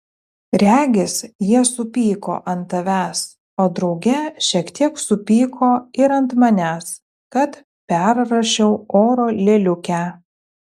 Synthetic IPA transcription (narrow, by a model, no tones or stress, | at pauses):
ɾʲæːɡʲɪsjiɛsʊpʲiːko̰ːʔɐnt̪ːɐʋʲæːs | oːd̪ɾɒʊɡʲɛʃʲiɛkt̪ʲiɛksʊpʲiːkʰoːɪɾɐnt̪mɐnʲæːs | kɐt̪ | pʲæɾɾɐʃʲɛʊoːɾoːlʲeːlʲʊkʲæː